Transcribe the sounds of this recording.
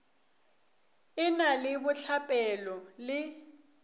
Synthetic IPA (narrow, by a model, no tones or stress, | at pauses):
ɪnalɪbʊɬʰapʼɛlɔlɪ